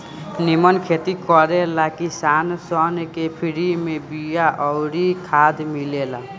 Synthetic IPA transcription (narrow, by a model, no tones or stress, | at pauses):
nimənkʰet̪ikɔɾelakisansɔnkepʰiɽimẽbijaʔɔɾikʰad̪milela